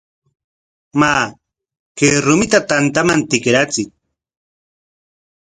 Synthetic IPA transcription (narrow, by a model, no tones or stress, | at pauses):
maː | keɾʊmɪt̪at̪ant̪amant̪ɪkɾat͡sɪk̚